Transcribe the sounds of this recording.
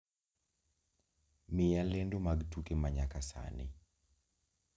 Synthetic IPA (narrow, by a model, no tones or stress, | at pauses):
mɪjalendomaɡtukemaɲakasa̰nɪ̰